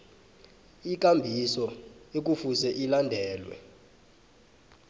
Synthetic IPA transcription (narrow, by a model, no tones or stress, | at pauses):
ik̬ʼambʱisɔek̬ufusɛʔilandʱɛːlwɛ̰